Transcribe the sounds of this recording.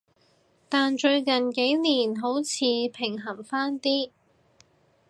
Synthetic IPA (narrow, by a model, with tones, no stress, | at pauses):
t̪aː˨nt͡ʃɵ˧ɥkɐ˨˩nke˨˥jniː˨˩nɦo˨˥wt͡sʰiː˨˧pʰɪ˨˩ŋɦɐ˨˩ŋfaː˥nt̪iː˥